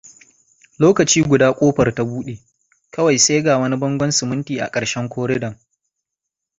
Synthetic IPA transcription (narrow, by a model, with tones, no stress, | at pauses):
loː˦kɐ˨t͡ʃiː˦ɡʷʊ˨daː˦kʷʼoː˦ɸɐ˨rta˨˦buː˦ɗeː˨ | kɐ˦wa˨jse˦ɡaː˨wɐ˦ni˦bɐ˦ŋɡʷɔ˦nsʊ˨mʊ˦ntiː˨ʔa̰˨kʼɐ˨ɽʃɛ˦ŋkʷoː˦ɾɪ˦dɐ˨ŋ